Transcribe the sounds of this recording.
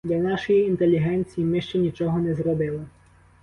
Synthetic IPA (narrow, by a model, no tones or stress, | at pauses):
d̪lʲɐnɑʃɔjiːnt̪elʲːiɦɛnʲt͡sʲijimɪʃt͡ʃɛnʲit͡ʃɔɦɔnɛzɾɔbɪlˠɪ